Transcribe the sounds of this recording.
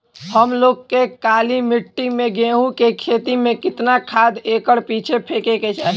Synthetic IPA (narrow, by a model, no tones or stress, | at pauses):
həmloːɡ̚kekaːlimɪʈːimẽɡẽːɦukekʰeːt̪imẽkɪt̪nakʰaːd̪eːkəɽpiːt͡ʃʰepʰeːkeket͡ʃaːɦi